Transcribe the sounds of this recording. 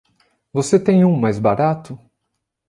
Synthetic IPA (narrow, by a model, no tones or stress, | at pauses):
voset̪ẽj̃ũmajzbaɾat̪ʊ